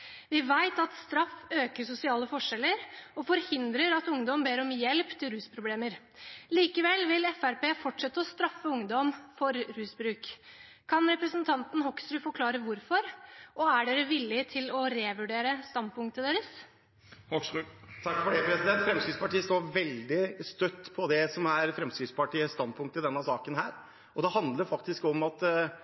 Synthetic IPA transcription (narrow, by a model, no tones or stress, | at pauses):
ʋɪʋæɪt̪ɑt̪st̪ɾɑføːkəsʊsɪɑːləfɔʂɛlːəɾɔfɔɾhɪnd̪ɾəɾɑt̪ʊŋd̪ɔmbeːɾɔmjɛlpt̪ʰɪlɾʉːspʰɾʊbleːməɾ | liːkəʋɛlʋɪlɛfæɾpeːfɔʈʂɛt̪ːəɔst̪ɾɑfːəʊŋd̪ɔmfɔɾɾʉːsbɾʉːk | kʰːɑnɾɛpɾəsənt̪ʰɑnt̪n̩hɔkst̪ɾʉːfɔɾkʰlɑːɾəʋʊɾfɔɾʔɔæɖeːɾəʋɪlːɪt̪ʰɪlɔɾeːʋʉɖeːɾəst̪ɑnd̪̚pʊŋkt̪əd̪eːɾəs | t̪ʰɑkːfɔɖeːpʰɾɛsɪd̪ɛnt̪fɾɛmskɾɪt̪spɑʈiːəst̪oːɾʋɛld̪ɪst̪œt̪ːpʰɔd̪ɛsɔmæɾfɾɛmskɾɪspɑʈiːəst̪ɑnpʊŋkt̪əd̪ɛnːəsɑːkənɦæːɾ | ɔd̪ɛhɑnd̪ləɾfɑkt̪ɪskɔmɑt̪